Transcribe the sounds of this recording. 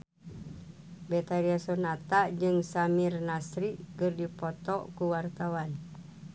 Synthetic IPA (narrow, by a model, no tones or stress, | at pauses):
bɛt̪aɾiasonat̪aʔd͡ʒɨŋsamirnasɾiʔkɨrdipɔt̪ɔʔkuwart̪awan